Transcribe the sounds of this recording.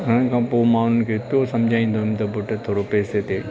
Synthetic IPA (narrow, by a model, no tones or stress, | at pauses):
ɦʊnənkʰãːpoːmaːnʊ̤ʊnɪ̆kʰeːpijosɐ̃md͡ʑʱaːĩːn̆d̪oɦĩmt̪ɐbʊʈt̪ʰoːɾopeːset̪ʰeː